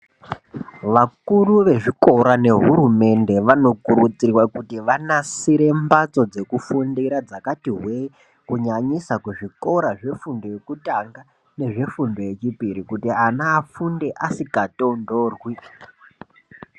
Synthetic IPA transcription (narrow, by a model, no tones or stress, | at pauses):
ʋakuruʋe̞ʐiko̞ɾane̞ɦuɾume̞nde̞ʋano̞kuɾut͡sirwakutiʋanasiɾembat͡so̞d͡ze̞kufundiɾad͡zakatiɦwe | kuɲaɲisakuʐiko̞ɾaʐe̞fundo̞jekutaŋɡa | ne̞ʐe̞fundo̞je̞t͡ʃipiɾikutianaːfunde̞ʔasikato̞ndoːrwi